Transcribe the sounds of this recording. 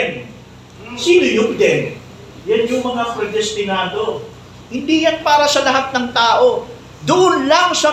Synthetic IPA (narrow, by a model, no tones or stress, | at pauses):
n | siːnojʊŋd̪ɛn | janjʊŋmɐŋapɾɐd̪ɛst̪ɪnaːd̪o̞ | hɪnd̪iːjanpaːɾɐsɐlɐɦat̪̚nɐŋt̪aːʔo̞ | d̪ʊʔʊnlɐŋsɐ